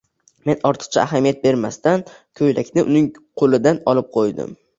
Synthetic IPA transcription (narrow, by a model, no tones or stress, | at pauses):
me̞nɒɾt̪ʰɨ̥q̚t͡ʃʰa̰aɦamijat̪̚be̞ɾmast̪an | kʰɵjlakʲnɪʔʊ̰nɪŋ | qʰolɪd̪anɒlɪp̚qʰojd̪ɪ̰m